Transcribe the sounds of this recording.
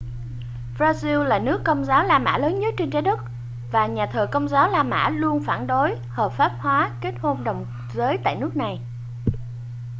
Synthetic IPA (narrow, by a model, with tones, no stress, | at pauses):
vzaː˧zi˧wlaː˨˩nɨ˦˥əkːə˧wŋ͡mzaː˨˦wlaː˧ma̰ː˧˥ləː˨˦nɲə˦˥t̚t͡ɕe˧nt͡ɕaː˨˦ɗɨ˦˥t̚ | vaː˨˩ɲaː˨˩t̪ʰəː˨˩kə˧wŋ͡mzaː˨˦wlaː˧ma̰ː˧˥lu˧ənfaː˧˩nɗo˨˦j | həː˨˩p̚faː˦˥p̚hwaː˨˦ke˦˥t̚ho˧nɗə˨˩wŋ͡m | zəː˨˦jt̪a̰ː˧˨jnɨ˦˥ək̚na˨˩j